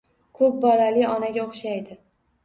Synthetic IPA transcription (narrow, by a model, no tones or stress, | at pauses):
kʰɵp̚bɒlalɪɒnaɡʲaoχʃajd̪ɪ